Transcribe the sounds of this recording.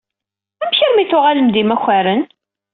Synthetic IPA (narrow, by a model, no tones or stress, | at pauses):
æmçiɾmiθʊʁaləmd̪imæçʷːæɾən